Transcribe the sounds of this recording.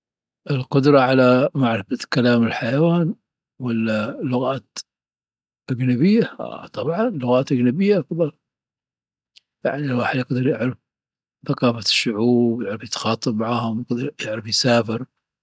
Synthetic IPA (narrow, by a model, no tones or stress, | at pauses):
ʔɪlqʊd̪ɾˤɑʕalamaʕɾɪfakalaːmɪlħajawaːn | wɪlːalːʊɣaːt̪ | ʔad͡ʒnabɪjːa̰t̪ˤɑbʕɑnlʊɣaːt̪ʔaɡnabɪjːafɑbˤɑ | ja̰ʕnilwaːħɪd̪jɪɡd̪ɑɾˤjɪʕɾɪf | θaqɑːfaʃːʊʕuːbjɪʕɾɑfjɪt̪xɑːt̪ˤːɨb̚maʕaːhʊmjɪɡd̪ɾjɪʕɾɪfjɪsaːfɪɾ